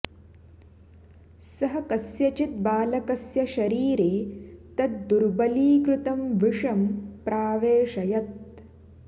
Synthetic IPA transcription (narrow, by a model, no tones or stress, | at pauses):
sɐɦɐkɐsjɐt͡ʃit̪̚baːlɐkɐsjɐʃɐɾiːɾeːt̪ɐt̪̚d̪uɾbɐliːkɾut̪ɐmʋiʂɐmpɾaːʋeːʂɐjɐt̪̚